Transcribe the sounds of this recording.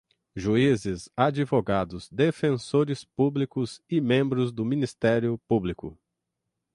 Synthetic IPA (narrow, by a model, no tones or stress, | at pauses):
ʒuizɪzad͡ʒivoɡad̪ʊz̥d̪efẽsoɾɪspublikʊzɪmẽmbɾʊzd̪ʊmĩnist̪ɛɾjʊpublikʊ̰